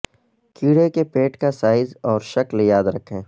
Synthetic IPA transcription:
kiːɽekepeːʈkasaːɪzɔːɾʃɐkljaːd̪ɾɐkʰːẽː

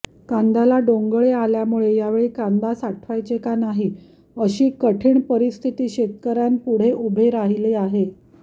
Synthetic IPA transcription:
kand̪alaɖoŋɡɭealjamuɭejaʋeɭiːkãnd̪asaʈʰʋajt͡sekanaɦi | əɕiːkəʈʰiːɳpəɾist̪ʰit̪iːɕet̪̚kəɾjanpuɽ̤eʔubʱeɾaɦileaɦe

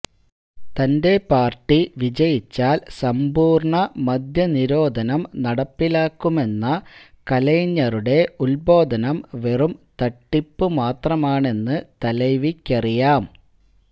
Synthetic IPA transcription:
t̪ɐnde̞paːrʈːiʋid͡ʑɐjit͡ɕːaːlsɐmbuːrɳɐmɐd̪ʱjɐniɾo̞ːd̪ʱɐnɐmnɐɽɐpːilaːkːume̞nːɐ | kɐlɐjɲːɐruɽe̞ulbo̞ːd̪ʱɐnɐmʋe̞rumt̪ɐʈːipːɨmaːt̪rɐmaːɳe̞nːɨt̪ɐlɐjʋikʲːɐrijaːm

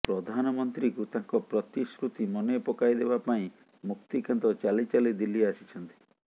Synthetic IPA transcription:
pɾɔd̪ʱanɔmɔnt̪ɾikut̪ãŋkɔpɾɔt̪isɾut̪imɔnepɔkajd̪ebapaĩ | muk̚t̪ikant̪ɔt͡ʃalit͡ʃalid̪ilːiasit͡ʃʰɔnt̪i̥

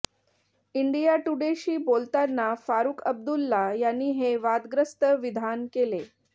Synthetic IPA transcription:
iɳɖijaʈuɽeɕiːbolt̪anːafaɾuːkʰəb̚d̪ulːajanːiːɦeʋad̪ɡɾəst̪əʋid̪ʱankele

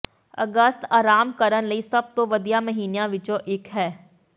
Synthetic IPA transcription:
ə̰ɡəst̪aːɾaːmkəɾənləiːsəb̚t̪oːʋəd̪ijaːməɦiːnjãːʋɪt͡ʃõʔɪkɦɛː

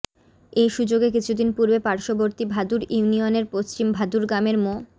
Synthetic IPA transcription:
ejʃud͡ʑoɡek̬it͡ɕʰud̪inpuɾbepaɾʃoboɾt̪ibʱad̪uɾiunioneɾpost͡ɕimbʱad̪uɾɡɾameɾmo

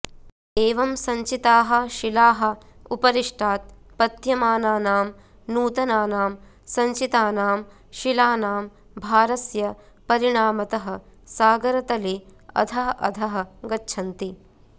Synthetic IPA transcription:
eːʋɐmsɐɲt͡ʃit̪aːɦɐ̆ʃilaːɦɐ̆upɐɾiʂʈʰaːt̪̚ | pɐt̪jɐmaːnaːnaːm | nuːt̪ɐnaːnaːm | sɐɲt͡ʃit̪aːnaːm | ʃilaːnaːm | bʱaːɾɐsjɐ | pɐɾiɽ̃aːmɐt̪ɐɦɐ̆saːɡɐɾɐt̪ɐleːɐ̰d̪ʱaːʔɐ̰d̪ʱɐɦɐ̆ɡɐtːʃʰɐnt̪i

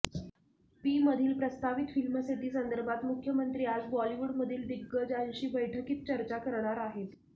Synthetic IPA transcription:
piːməd̪ʱiːlpɾəst̪aʋit̪filməset̪iːsənd̪əɾbʱat̪mukʰjəmənt̪ɾiːad͡zbɔliʋuɽməd̪ʱiːld̪iɡːəd͡zanɕiːbəjʈʰəkiːt̪̚t͡ɕəɾt͡ɕakəɾɳ̃aɾaɦet̪

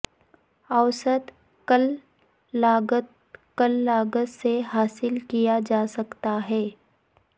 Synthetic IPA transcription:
ɐʋsəd̪ | kəl | aːɡət̪ | kəlːaːɡət̪seɦaːsɪlkijad͡ʒaːsɐkt̪aɦɛː

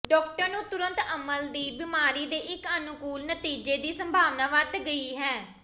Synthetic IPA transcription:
ɖɔːk̚ʈəɾnũːt̪ʊɾə̃nt̪əməld̪iːbɪmaːɾiːd̪eːʔɪkənʊkuːlnət̪iːd͡ʒeːd̪iːsəmbʱaːʋnaːʋəd̪ɡəiːɦɛː

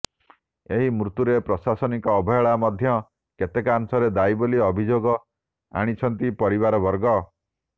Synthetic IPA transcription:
eɦimɾut̪uɾepɾɔsasɔnikɔːbʱɔjɔɭamɔd̪ʱjɔ | ket̪ekansɔɾed̪aiboliɔbʱid͡ʒoɡɔ | a̰ɽ̃it͡ʃʰɔnt̪ipɔɾiβaɾɔbɔɾɡɔ

